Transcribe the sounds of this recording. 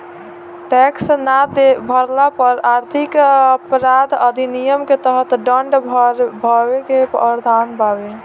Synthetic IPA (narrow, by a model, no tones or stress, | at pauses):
ʈɛksnad̪ebʱəɾlapəɾaɾt̪ʰikəpɾad̪əd̪ʱinijəmket̪əɦət̪ɖəɳɖbʱɾbʱəbekepə̰ɾd̪ʱanbabe